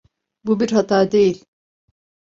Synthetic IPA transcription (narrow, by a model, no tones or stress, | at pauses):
bubiɾɦat̪ʰaːd̪e̞jilʲ